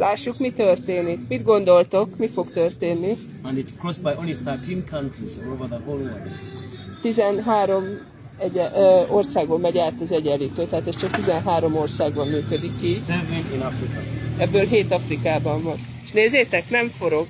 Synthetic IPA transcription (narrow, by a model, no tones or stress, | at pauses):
lʔaːʃːukmit̪ørt̪eːnikmid̪ɡo̞nd̪o̞lt̪o̞kmifo̞ɡt̪ørt̪eːnːi | ãndɪtkɹɔsbajõʊ̃nliθətʰĩnkʰãntɹizɔɹovəðəholɔvitt̪izɛnɦaːɾo̞m | ɛɟɛo̞rsaːɡbolmɛɟaːt̪ɒzɛɟɛliːt̪øːt̪ɛɦaːt̪ɛst͡ʃɒk̚t̪izɛnɦaːɾo̞mo̞rsaːɡbɒmmyːkød̪ikːisɛveĩnafɾikɐɛbːøːlɦeːt̪ɒfrikaːbɒɱːɒɾ | eʃneːzeːt̪ɛknɛɱfo̞ɾo̞ɡ